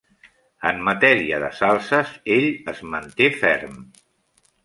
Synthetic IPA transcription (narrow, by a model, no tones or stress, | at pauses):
əmːət̪ɛɾiəðəsalˠsəzeʎəzmənt̪efɛ̰rm